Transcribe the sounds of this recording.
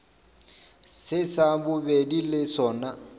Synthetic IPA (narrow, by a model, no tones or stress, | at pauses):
sɪsabʊbedilɪsɔːna